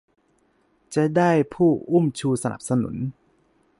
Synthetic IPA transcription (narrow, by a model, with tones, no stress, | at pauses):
t͡ɕa˨˩daː˥˩jpʰuː˥˩ʔu˥˩mt͡ɕʰuː˧sa˧nʔa̰˨˩p̚sa˧nṵ˩˦n